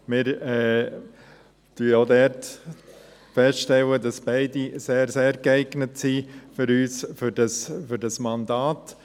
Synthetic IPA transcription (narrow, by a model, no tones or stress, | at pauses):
mɪɾɛː | tyːoːdɛːɾt | fɛstʃtɛlədɑsb̥æɪdiseːɾseːɾɡæɪɡnətsifʏɾyːsfʏdɑsfʏɾdɑsmɑndɑːt